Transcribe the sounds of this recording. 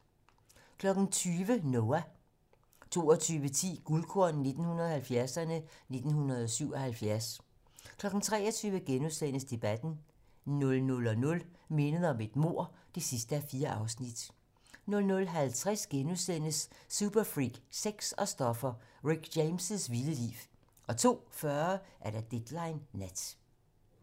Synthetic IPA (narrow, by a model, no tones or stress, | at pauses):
kʰlɒ̽ɡ̥n̩t͡sʰyːʋənoæ | t͡sʰo̝̰ːɒt͡sʰyːʋət͡sʰḭːɡ̥ulkʰoɐnne̝d̥n̩hunɐðˠhælfjæɐsɐnəne̝d̥n̩hunɐð̩ˠɒsyʊ̰ɒ̽hælfjæɐs | kʰlɒ̽ɡ̥n̩t͡sʰʁɛːɒt͡sʰyːʋəɡ̥enuðˠsen̰əsd̥e̝b̥æd̥n̩ | nɔ̽lnɔ̽lɒ̽nɔ̽lme̝nəð̞̩ˠɒ̽me̝d̥mo̝ɐ̰d̥e̝sisd̥əæfiːɐʔɑ̈ʊsnid̥ | nɔ̽lnɔ̽lɦælt͡sʰʁɛsɡ̥enusen̰əsːub̥ɐfʁiɡ̥seɡ̥sɒ̽sd̥ɒ̽fɐʁiɡ̥d̥eɪmsəsʋiləlḭːʋ | ʔɒ̽t͡sʰo̝̰ːfɶɐʔæɐɾ̥ɑd̥ed̥lɑ̈ɪnːæd̥